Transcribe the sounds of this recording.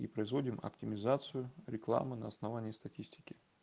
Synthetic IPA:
ḭpɾəɪzvo̞dʲɪmɐ̰ptʲɪmʲɪzat̪sɨjʊɾʲɪklˠa̰mɨnəːsnɐvanʲɪːst̪ɐtʲisʲtʲɪ̥kʲɪ

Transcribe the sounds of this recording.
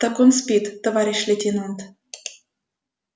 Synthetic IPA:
t̪akunspʲit̪ːəvaɾʲiʃʲlʲet̪ʲinunt̪

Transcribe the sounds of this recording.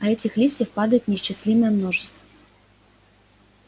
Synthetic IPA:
ɐɛt͡sʲixlʲisʲtʲːɐwpɑd̪ɐjʊtʲnʲiʃt͡ʃɛsʲlʲimɛjɛmnɔʐɪst̪ʋɐ

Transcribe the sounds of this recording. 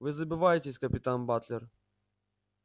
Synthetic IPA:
vɨzəbʲɪvajɪtʲɪsʲkəpʲɪt̪anbat̪lʲɪr

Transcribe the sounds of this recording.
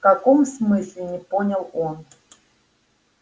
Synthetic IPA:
fkakomsmɨsʲlʲɪnʲɪponʲɐlˠon

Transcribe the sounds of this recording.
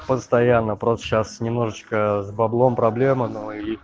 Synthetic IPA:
pəst̪ɐjanːəpɾost̪ə̥ɕasnʲɪmno̞ʐɨt͡ɕkəzbɐblˠo̞mpɾɐblʲe̞mənoi

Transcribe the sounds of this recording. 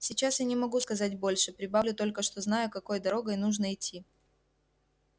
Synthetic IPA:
sʲɪt͡ɕasjanʲɪmɐɡuskɐzat̚ʲbo̞lʲʂɨpɾʲɪbavlʲʊt̪o̞lʲkəʂt̪o̞znajʊkɐko̞jd̪ɐɾo̞ɡəjnuʐnəɪtʲʰːi

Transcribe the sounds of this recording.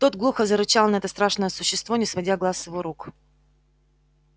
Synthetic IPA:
t̪o̞t̪ɡlˠuxəzəɾɨt͡ɕalˠnɐɛt̪əst̪ɾaʂnəjəsʊɕːɪst̪vonʲɪsvɐdʲaɡlˠasːjɪvoɾuk

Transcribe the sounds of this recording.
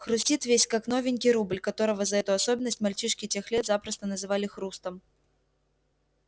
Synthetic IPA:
xɾusʲtʲit̪vʲesʲkaknɔvʲɪnʲkʲiɾubɨlʲkat̪ɔɾɐvɐzɐɛt̪ʊɐsɔbʲɪnːəsʲtʲmalʲt͡ʃiʂkʲitʲɛxlʲɛt̪zapɾɐst̪ɐnɐzɨvalʲɪxɾust̪ɐm

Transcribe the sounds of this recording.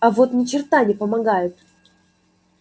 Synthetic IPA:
ɐvo̞t̪nʲɪt͡ɕɪrt̪anʲɪpəmɐɡajʊt̪̚

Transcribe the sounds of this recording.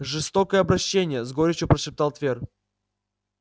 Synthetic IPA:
ʐɨst̪o̞kəjəɐbɾɐɕːenʲɪjəzɡoɾʲɪt͡ɕʊpɾəʂɪpt̪alˠt̪vʲer

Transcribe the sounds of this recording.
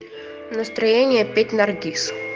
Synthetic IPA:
nəst̪ɾɐjenʲɪjəpʲetʲnɐrdʲis

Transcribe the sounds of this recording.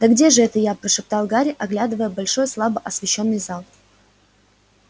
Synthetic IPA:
d̪əɡdʲeʐɨɛt̪əjapɾəʂɨp̚t̪ɑlˠɡaɾʲɪʔɐɡlʲad̪ɨvəjəbɐlʲʂo̞jslˠabəʔɐsvʲɪɕːo̞nːɨjzɑlˠ

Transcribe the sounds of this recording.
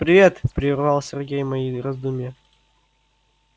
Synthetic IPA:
pɾʲɪvʲe̞t̪pɾʲɪrvɑlˠsʲɪrɡʲejmɐjiɾɐzd̪umʲɪjə

